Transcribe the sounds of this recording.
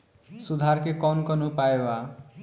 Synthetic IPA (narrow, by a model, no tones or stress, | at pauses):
sud̪ʱaɾkekʌnkʌnupaewa